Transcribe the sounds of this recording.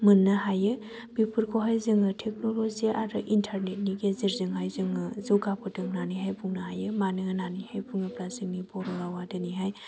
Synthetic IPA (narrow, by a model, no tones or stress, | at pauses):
mɯnːɐɦajɯ | bipʰɯɾkʰowɦajzɯŋɯtʰek̚noloziaɾɯ̰ʔintʰaɾnet̚niɡeziɾzɯŋɦajzɯŋɯzɯwɡapʰɯtɯŋnaniɦajpʰuŋnɐɦajɯmanɯɯnanihajpʰuŋɯpɾasɯŋnibɔɾolawadɯniɦaj